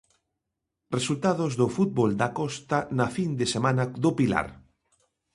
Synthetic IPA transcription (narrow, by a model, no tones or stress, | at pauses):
result̪aðozðʊfut̪̚bɔld̪akɔst̪anɐfind̪esemãnad̪opila̰ɾ